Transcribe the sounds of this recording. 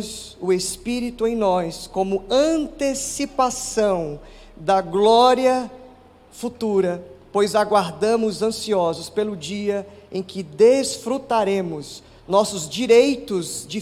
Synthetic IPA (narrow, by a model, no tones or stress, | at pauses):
z | ʊespiɾit̪ʊẽj̃nɔskõmʊɐ̃nt̪esipasɐ̃w̃ | d̪ɐɡlɔɾiɐ | fut̪uɾɐpojzaɡwaɾd̪ɐ̃mʊzɐ̃siɔzʊspelʊd͡ʒiɐẽj̃kɪd̪esfɾut̪aɾẽmʊz | nɔsʊzd͡ʒiɾejt̪ʊzd͡ʒɪ